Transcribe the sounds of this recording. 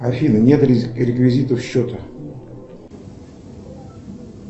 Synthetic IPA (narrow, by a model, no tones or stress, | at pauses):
afʲinənʲet̪ʲɾʲɪkvʲɪzʲit̪əfɕːot̪ə